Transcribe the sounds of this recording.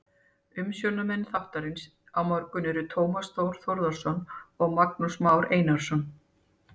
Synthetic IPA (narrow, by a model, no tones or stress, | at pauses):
ʏmsjɔnamɛnθawht̪aɾɪns | awmaɾkʏnɛɾʏt̪ʰoːwmasθowɾ̥θɔɾðaɾ̥sɔnɔɣmak̚nusmaːwɾeːjnaɾ̥sɔn